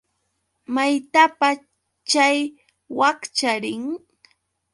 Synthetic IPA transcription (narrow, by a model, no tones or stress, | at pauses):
majt̪apa | t͡ʃaj | wakt͡ʃaɾɪŋ